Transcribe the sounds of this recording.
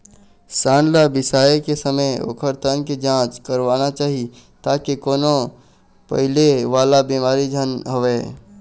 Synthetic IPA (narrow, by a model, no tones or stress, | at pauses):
saːnlabɪsaːekesəməoʊ̰kʰəɾt̪ənkid͡ʒãːt͡ʃkəɾʋaːnat͡ʃaːɦi | t̪aːkekoːno | pɐ̰ɦɪleʋaːlabiːmaːɾid͡ʒʱənɦoʋeː